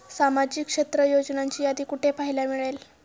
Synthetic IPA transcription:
samad͡ʑikːʂet̪ɾəjod͡ʑnaɲt͡ɕiːjad̪iːkuʈʰepaɦilamiɭel

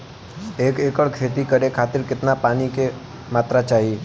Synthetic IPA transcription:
eːkeːkəɽkʰeːt̪ikəɾekʰaːt̪ɪɾkɪt̪napaːnike | maːt̪ɾat͡ʃaːɦi

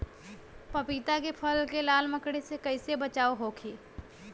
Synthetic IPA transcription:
pɐpiːt̪akepʰɐlkelaːlməkɽesekɐɪsebɐt͡ʃaːoɦoːkʰeː

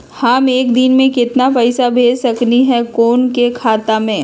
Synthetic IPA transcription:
haːmeːkd̪ɪnmẽkɪt̪napɛɪsabʱeːd͡ʒsɐkniɦɛkoːnkekʰaːt̪amẽː

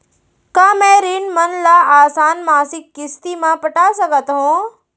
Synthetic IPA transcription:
kaːmɛ̃ːɾiːnmənlaaːsaːnmaːsɪkːɪst̪imãpəʈaːsɐkət̪ɦõː

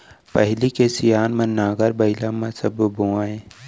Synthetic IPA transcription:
pɐɦlikesijaːnmɐnːaːɡəɾbɐɪlamɐsɐbboaːẽː

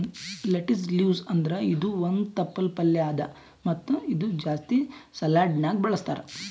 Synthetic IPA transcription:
leʈɐsljuːzɐnd̪ɐɾeid̪uond̪t̪ɐpːɐlpɐlːɛaːd̪ɐ̰ | mɐt̪ːuid̪ud͡ʒaːst̪isɐlaːɖnaːɡbɐɭɐst̪a̰ːɾe

